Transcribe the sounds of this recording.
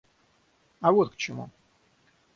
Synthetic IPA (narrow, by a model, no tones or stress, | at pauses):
ɐvot̪̚kt͡ɕɪmṵ